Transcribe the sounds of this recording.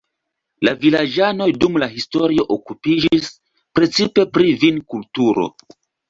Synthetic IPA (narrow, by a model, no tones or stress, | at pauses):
lavilad͡ʒano̞jdumlaɦisto̞ɾio̞ʔokupid͡ʒis | pɾe̞t͡sipe̞pɾivinkultuɾo̞̰